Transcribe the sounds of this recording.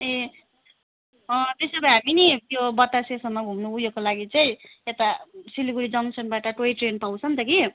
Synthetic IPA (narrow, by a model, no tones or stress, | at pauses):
e | t̪esʌbʌɦaminijobʌt̪ːasesʌmːʌɡʱumnuujokolaɡit͡saĩet̪asiliɡuɾid͡zʌŋsʌnbaʈʌʈoiʈrenpaw̃t͡sʰʌnt̪ʌki